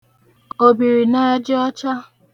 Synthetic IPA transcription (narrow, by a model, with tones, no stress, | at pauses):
o˨bi˨ɾi˨na˦d͡ʒɪ˦ɔ˦t͡ʃa˦